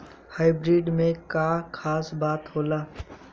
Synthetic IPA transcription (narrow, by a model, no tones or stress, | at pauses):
haːɪbɾiːɖmẽkakʰaːsbaːt̪ɦoːlaː